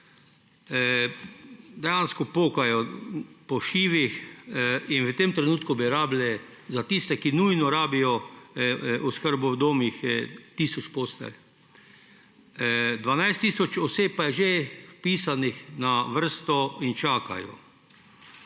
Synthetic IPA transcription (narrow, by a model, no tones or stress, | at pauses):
d̪ɛjanskɔpoːkajɔpɔʃiːʋix | inʋət̪emt̪ɾɛnuːt̪kubiɾaːblɛ | zat̪ist̪ɛkinujnɔɾaːbijɔ | uskəɾbuwd̪oːmixt̪iːsɔt͡ʃpost̪ɛ̰l | d̪ʋanajst̪iːsɔt͡ʃɔseːp̚pajɛʒefpiːsanixnaʋəɾ̩st̪ɔint͡ʃaːka̰jɔ̰